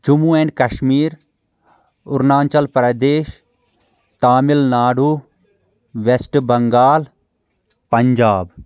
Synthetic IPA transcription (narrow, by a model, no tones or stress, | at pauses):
t͡ʃumuːenʲkɐʃmiːɾ | ʊɾnaːnt͡ʃɐlpɾɐd̪eːʃ | t̪aːmɪlnaːɽuː | ʋesʈbɐŋɡaːl | pɐɲd͡ʒaːb